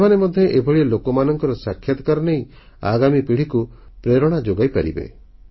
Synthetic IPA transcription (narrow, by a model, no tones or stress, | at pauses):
semanemɔd̪ʱjɔʔebʱɔɭielokɔmanɔŋkɔɾɔsakʰjat̪ɔ̥kaɾɔneĩ | a̰ɡamipiɽ̤ikupɾeɾɔɽ̃ad͡ʒoɡajpaɾḭbḛ